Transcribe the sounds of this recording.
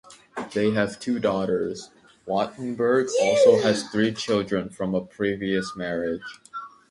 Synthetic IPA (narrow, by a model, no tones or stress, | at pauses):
ðeɪɦɨv̥tʰuːdɔɾə˞z̥ | wɑʔn̩bə˞ɡzɔlˠsoʊɦɨz̥θɹit͡ʃʰɪlˠdɹə̃nfɹʌ̃məpʰɹ̥iviɨsmɛɹɪ̥d͡ʒ